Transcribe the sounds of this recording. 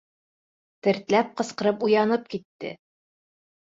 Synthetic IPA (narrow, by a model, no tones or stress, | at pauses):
t̪ɘ̆ɾt̪læp̚qɤ̆sqɤ̆ɾɤpujɑnɤp̚kit̪ːɘ̰